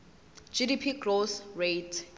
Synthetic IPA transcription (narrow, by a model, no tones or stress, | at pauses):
d͡ʒidipʰiɡlosretʰ